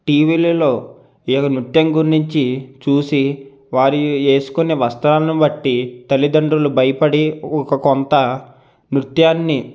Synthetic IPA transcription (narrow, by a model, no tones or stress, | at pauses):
ʈiːʋiːlilo̞ː | ijɔkːɐnut̪jɐŋɡuɾniɲt͡ʃit͡ʃuːsi | ʋaːɾue̞ːsu̥kuneːʋɐst̪ɐɾaːlɐnubɐʈːit̪ɐlːid̪ɐɳɖulubɐjɐpɐɽiɔkɐkɔnt̪ɐ | nɾut̪jaːnːi